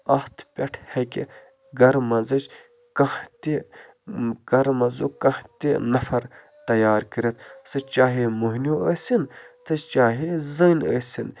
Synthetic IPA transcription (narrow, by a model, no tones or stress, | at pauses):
ɐht̪ʰpʲɐʈʰhɐkḭ | ɡɐɾmɐzɐt͡ʃ | kɐt̪i | ɡɐɾmɐzukɐht̪inɐfɐɾ | t̪ɐjaːɾkəɾit̪ʰsɨt͡ʃaːɦimuɦnjoəsint̪ɨt͡ʃaːɦizəːnə̰ːsin